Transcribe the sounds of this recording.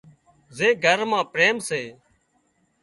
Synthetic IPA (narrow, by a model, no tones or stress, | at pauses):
zeːɡʱəɾmãːpɾeːmseː